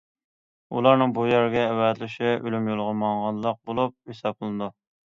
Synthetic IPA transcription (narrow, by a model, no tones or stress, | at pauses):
ṵlˠɑɾnɨŋbujæɾɡʲɛːwɛd̪lɪʃɪølymjolˠʁəmɑŋʁɑnlˠəq̚bolˠup̚hesɑp̚qʰəlˠɨnɨd̪u